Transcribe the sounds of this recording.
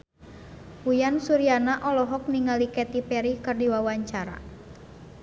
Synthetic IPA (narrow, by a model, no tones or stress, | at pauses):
wujansuɾianaʔɔlɔɦɔk̚niŋalikɛt̪ipɛɾikɨrdiwawaɲt͡ʃaɾa̰